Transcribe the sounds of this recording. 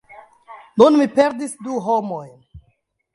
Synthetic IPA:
nunmipe̞ɾdisduɦomo̞jn

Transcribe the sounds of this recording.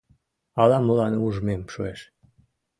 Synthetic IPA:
ɑlɑməlɑnuʒmemʃueʃ

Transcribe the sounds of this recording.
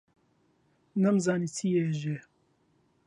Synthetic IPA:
nɛmzaːniːt͡sʰijɛʒe

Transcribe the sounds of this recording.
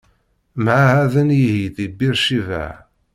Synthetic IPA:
mʕahæðənjihiθibiɾʃivæ̰ʕ

